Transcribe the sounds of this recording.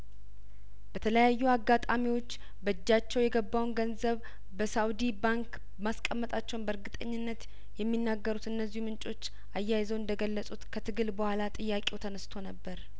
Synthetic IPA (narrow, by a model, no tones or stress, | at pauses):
bət̪ʰələjajːuaɡːat̪ʼamiwo̞t͡ʃː | bəd͡ʒːat͡ʃːɛwjɛɡəbːawnɡənzəβ | bəsawd̪ibaŋk | maskʼəmːət̪ʼat͡ʃːɛwnbəɾɡɨt̪ʼəɲːɪnːət̪ | jɛmːinːaɡːəɾut̪ɨnːəzːihumɨnt͡ʃʼo̞t͡ʃː | ʔajːajzəwɨnd̪əɡəlːəsʼut̪kʰət̪ʰɨɡɨlbəhʷalat̪ʼɨjːakʼewt̪ʰənəst̪ʰo̞nəbːəɾ